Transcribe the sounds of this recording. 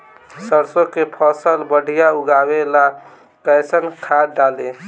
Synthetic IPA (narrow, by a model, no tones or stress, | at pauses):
səɾsokepʰəsəlbəɽ̤ʱijauɡabela | kəsənkʰaɖale